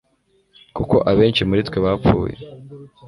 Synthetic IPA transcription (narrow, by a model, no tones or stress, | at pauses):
kuko̞ʔaβe̞ːnt͡ʃimuɾitkweβapp͡fuːjḛ